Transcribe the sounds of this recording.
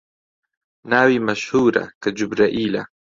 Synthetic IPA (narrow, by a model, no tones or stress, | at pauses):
naːwimɐʃhuːɾa̰kad͡ʒʊbɾaʔiːla̰